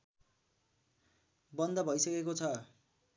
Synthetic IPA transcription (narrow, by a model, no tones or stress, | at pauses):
bʌnd̪ʌbʱʌjsʌkekot͡sʰʌ